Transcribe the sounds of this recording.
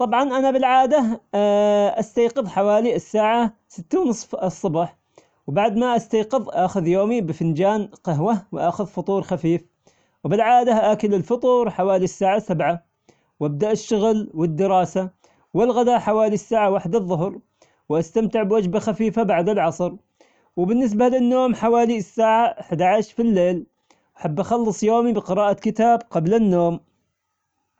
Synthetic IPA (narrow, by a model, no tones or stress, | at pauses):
t̪ˤɑbʕɑnʔanabɪlʕaːd̪a | ʔast̪ajqɨðˤħawaːliɪsːaːʕasɪt̪ːawnsˤfsˤːɑbɑħ | wbaʕd̪maʔast̪ajqɨðˤʔaxʊðjoːmibɪfɪnd͡ʒaːnqɑɦwawɪʔaːxʊðfʊt̪ˤuːɾxafiːf | wbɪlʕaːd̪aʔakɪlɪlfʊt̪ˤuːɾħawaːlisːaːʕasabʕa | wʔab̚d̪aʔɪʃːʊɣlwɪd̪ːɪɾɑːsa | wɪlɣad̪aħawaːlisːaːʕawaħd̪aðˤːʊɦɾ | wʔast̪amt̪ɪʕbwad͡ʒbaxafiːfabaʕd̪alʕɑsˤɾ | wɪbɪnːɪs̬balɪnːoːmħawaːlisːaːʕaʔaħd̪aʕaʃfilːeːl | wʔaħabːʔaxɑlːɨsˤjoːmibɪqɨɾɑːʔakɪt̪aːbqɑblanːoːm